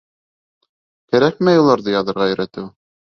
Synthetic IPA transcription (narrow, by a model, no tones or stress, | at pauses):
kæɾæk̚mæjulˠɑɾðɤjɑðɤ̆ɾʁɑɵ̆ɾæt̪ɘw